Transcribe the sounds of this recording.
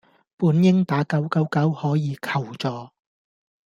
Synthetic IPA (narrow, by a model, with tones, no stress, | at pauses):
puː˨˥njɪ˥ŋt̪aː˨˥kɐ˨˥wkɐ˨˥wkɐ˨˥whɔː˨˥jiː˨˧kʰɐ˨˩wt͡sɔː˨˧